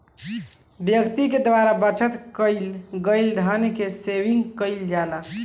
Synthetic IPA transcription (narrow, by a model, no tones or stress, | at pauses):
bjəkt̪iked̪ʋaɾabət͡ʃʰət̪kəɪlɡəjld̪ʱənkeseʋĩŋɡkəɪld͡ʒala